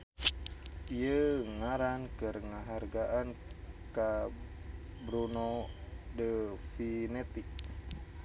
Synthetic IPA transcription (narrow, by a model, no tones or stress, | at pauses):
iəŋaɾankɨrŋaɦarɡaʔanka | bɾunodəfinet̪iʔ